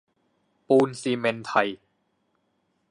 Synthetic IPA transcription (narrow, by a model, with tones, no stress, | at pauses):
puː˧nsiː˧me˧nt̪ʰa˧j